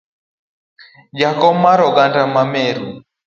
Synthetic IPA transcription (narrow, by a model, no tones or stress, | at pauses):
d͡ʒakɔmaɾɔɡandamamɛɾu